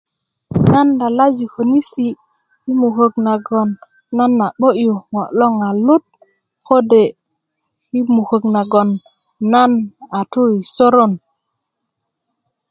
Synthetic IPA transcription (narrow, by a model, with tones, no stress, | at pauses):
na˦nda˨la˦d͡ʒi˨ko˨ni˦si˨ | i˦mu˨ko˨ɡna˨ɡo˨nː | a˦na˨ɓo˦ʔju˨ŋo˨lo˦ŋa˨lu˦t̚ | ko˦de˨ | hi˦mu˨ko˨ɡna˨ɡo˨nː | a˦na˨tu˦i˨so˦ɾo˦n